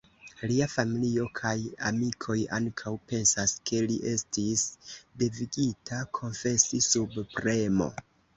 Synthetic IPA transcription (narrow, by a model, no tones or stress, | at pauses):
liafamilio̞kʰajamikʰo̞ja̰ŋkʰawpe̞nsaskʰe̞liʔe̞stisde̞viɡitʰakʰo̞nfe̞sisubpɾe̞mo̞̰